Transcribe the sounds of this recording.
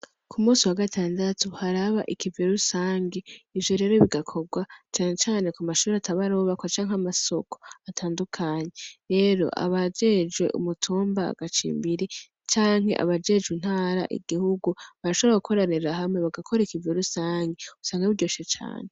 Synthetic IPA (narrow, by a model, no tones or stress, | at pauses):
kʰumuːsiwaɡatʰaːndatuhaɾaβaʔikiveɾusaːŋɡeivjoɾe̞ːɾo̞βiɡakʰo̞ɡwat͡ʃaːɲet͡ʃaːne̞kumaʃuːɾeatʰaβaɾo̞ːβakwat͡ʃaːŋ̥amaso̞koatʰaːndukʰaːɲe̞ɾe̞ːɾo̞̰ʔa̰βad͡ʒe̞d͡ʒɡwe̞̰ʔṵmutʰuːmba̰ɡ̥at͡ʃḭːmbiɾe | t͡ʃaːŋɦe̞̰ʔa̰βad͡ʒe̞d͡ʒwin̥haːɾa̰ʔḭɡ̥ihuɡuβaɾaʃoɾaukʰo̞ɾaniɾaɦamŋe̞βaɡakʰoɾeikiveɾusaːŋɡeusaːŋɡauɾɟoʃet͡ʃa̰ːne